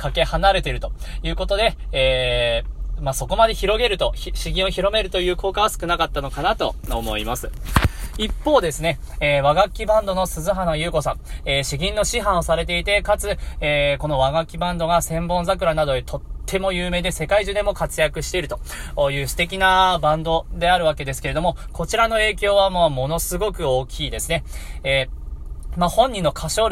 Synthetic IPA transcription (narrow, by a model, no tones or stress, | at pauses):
kake̞hanaɾe̞t̪e̞ɾɯ̟t̪o̞jɯ̟ːko̞t̪o̞d̪e̞ː | maso̞ko̞mad̪e̞çiɾo̞ɡe̞ɾɯ̟t̪o̞çɕiɡʲĩo̞çiɾo̞me̞ɾɯ̟t̪o̞jɯ̟ːko̞ːkaβasɨ̥kɯ̟nakat̪ːano̞kanat̪o̞̰omo̞imasɨ̥ | ipːo̞ːd̪e̞sɨne̞eːβaɡakʲːibãnd̪o̞no̞sɨzɨɦanojɯ̟ːko̞sãɴeːɕiɡʲĩnːo̞ɕiɦãɰ̃osaɾe̞t̪e̞it̪e̞kat͡sɨeːko̞no̞βaɡakʲːibãnd̪o̞ɡasẽ̞mbõ̞ñzak̬ɯ̟ɾanad̪o̞d̪et̪ʰo̞t̪ʰːe̞mo̞jɯ̟ːme̞ːd̪e̞se̞kaiʑɨːd̪e̞mo̞kat͡sɨjakɯ̟ɕi̥t̪e̞iɾɯ̟t̪o̞̥jɯ̟ːsɨ̥t̪e̞kʲinabãnd̪o̞d̪e̞aɾɯ̟βake̞d̪e̞sɨ̥ke̞ɾe̞o̞mo̞ | ko̞t͡ɕiɾano̞e̞ːkʲo̞ːβamoːmo̞no̞sɨɡo̞kɯ̟o̞ːkʲiːd̪e̞sɨne̞eː | mahõ̞ɲ̟ːĩnːo̞kʰaɕo̞ːɾ